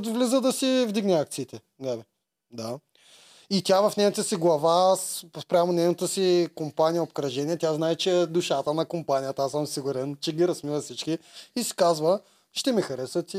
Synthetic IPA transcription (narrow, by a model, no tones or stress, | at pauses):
t̪ʊvlizəd̪ɐsivd̪iɡnɛak̚t̪siːt̪ɛ | ɡ̪alɛ | d̪a | it̪ʲavɐfnɛnət̪əsiɡlˠɐvasspɾʲamonɛjnət̪əsikompanʲijəopkɾɐʒɛniɛt̪ʲaznaɛt͡ʃɛd̪uʃat̪ənɐkompanʲijət̪əasəmsiɡʊɾɛnt͡ʃɛɡʲiɾɐsmivɐsit͡ʃkiisi̥kazvə | ʃt̪ɛmixɐɾɛsət̪